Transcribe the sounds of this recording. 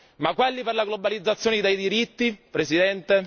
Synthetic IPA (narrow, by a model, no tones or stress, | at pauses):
makːwelːiperlaɡlobalid̪zːat̪sːjoːned̪ejd̪iɾit̪ːipɾesid̪ɛnt̪e